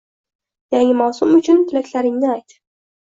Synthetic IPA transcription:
jaŋʲɪmawsʊmʊt͡ʃʰʊnt̪ʰɪlakʲlaɾɪŋnɪajt̪

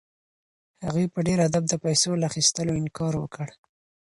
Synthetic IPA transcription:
haɣwepəɖeɾhad̪ab̚d̪əpajsolaːxist̪əloɪŋkɑɾwə̰kəɽ

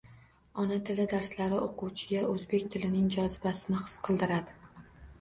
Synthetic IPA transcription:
ɒnat̪ʰɪlɪd̪aɾslaɾɪoquwt͡ʃʰɪɡʲaʔɵzbe̞kʲt̪ʰɪlɪnɪŋd͡ʒɒzɪbasɪnɪχɨ̥sqʰɨlˠd̪ɪɾad̪ɪ

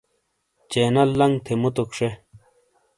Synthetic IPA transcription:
t͡ɕeːnɐlːɐŋt̪ʰemut̪ukʂe

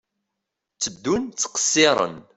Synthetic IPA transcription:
t͡sːəd̪ːunt͡sːqə̥sːɪɾˤə̰n

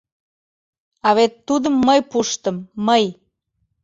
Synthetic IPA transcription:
ɑβet̪ːud̪əmːəjpuʃt̪əmːəj

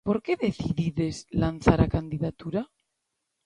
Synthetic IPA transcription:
po̞ɾkeðeθiðiðezlan̟θaɾakand̪iðat̪uɾa

